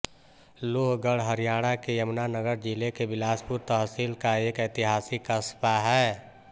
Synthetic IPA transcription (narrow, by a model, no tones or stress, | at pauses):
loːɦɡəɽɦəɾijaːɽ̃akejəmnanəɡəɾd͡ʒɪlekebɪlaːspʊɾt̪əɦsiːlkaeːkət̪ɪɦaːsikəspaɦɛː